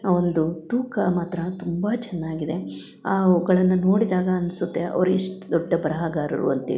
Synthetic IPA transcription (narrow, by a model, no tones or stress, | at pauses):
aond̪ut̪uːkɐmaːt̪ɾɐt̪umbɐt͡ʃɛnːaːɡid̪e̞ | aːɔɡɐɭɐnːuno̞ːɽid̪aːɡɐːnsut̪ːeɐ̰ʋɐɾuiʂʈd̪ɔɖːɐbɐɾɐɦaːɡaːɾɐ̰ɾṵɐ̰nt̪ḭːi